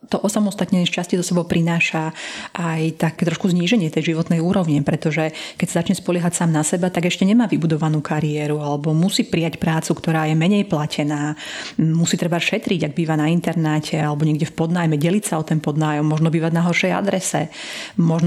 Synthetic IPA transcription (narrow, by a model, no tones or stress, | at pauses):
t̪ɔʔɔsamɔst̪at̪ɲɛʃt͡ʃascizɔsɛbɔʊpɾʔinaːʃaʔajt̪akːt̪ɾɔʃkuzɲiːʒɛɲɪɛt̪ɛjʒiʋɔt̪nɛjuːɾɔʋɲɛpɾɛt̪ɔʒɛkɛcsazat͡ʃɲɛspɔlɪɛɦacsaːmnasɛbat̪aɡɛʃcɛɲɛmaːʋibud̪ɔʋanuːkʰaɾiɛːɾualɛbɔmusiːpɾijacpɾaːt͡sukt̪ɔɾaːjɛmɛɲɛjplacʰɛnaːmusiːt̪ɾɛbaʃɛt̪ɾiɟaɡ̚biːʋanaint̪ɛɾnɛcʰɛalɛbɔɲɛɡɟɛfpɔd̪naːjmɛɟɛlicsaɔt̪ɛnpɔd̪naːjɔmːɔʒnɔbiːʋaɟnaɦɔɾʃɛja̰d̪ɾɛsɛ̰mɔʒn